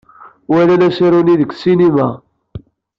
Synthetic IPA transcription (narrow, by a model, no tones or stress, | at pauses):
wælælæsiɾuniðəkːsinimæ